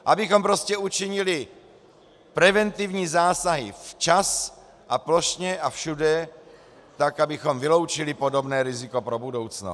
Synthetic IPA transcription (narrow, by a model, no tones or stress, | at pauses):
ʔabɪxo̞mpɾo̞scɛut͡ʃɪɲɪlɪ | pɾɛvɛnt̪ɪvɲiːzaːsaɦɪ̰ft͡ʃas | ʔaplo̞ʃɲɛʔafʃudɛ | t̪akabɪxo̞mvɪlowt͡ʃɪlɪpo̞do̞bnɛːɾɪzɪko̞pɾobudo̞wt͡sno